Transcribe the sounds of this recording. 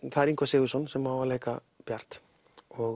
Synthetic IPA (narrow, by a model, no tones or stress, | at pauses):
θaɾiŋkoseusunsemawaleka | b̥eaɾt̪ | o